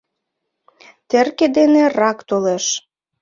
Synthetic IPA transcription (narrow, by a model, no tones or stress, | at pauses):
t̪erked̪enerɑkt̪oleʃ